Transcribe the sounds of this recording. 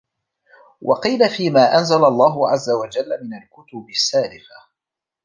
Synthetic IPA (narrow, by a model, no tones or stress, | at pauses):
wʔɑ̰qiːlafiːmaːʔanzalalˤːɑːɦʊʕazːawad͡ʒalːamɪnalkʊt̪ʊbɪsːaːlɪfa